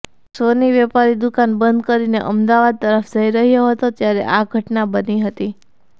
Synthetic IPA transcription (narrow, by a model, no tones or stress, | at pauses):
soniʋɛpaɾid̪ukanbənd̪̚kəɾinḛʔəmd̪aʋad̪̚t̪əɾəfd͡ʒʱəiɾəɦjoɦət̪ot̪jaɾḛʔaɡʱəʈnabəniɦət̪i